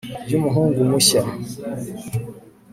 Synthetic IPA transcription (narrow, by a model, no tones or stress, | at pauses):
bjumuɦuːŋɡumuɕa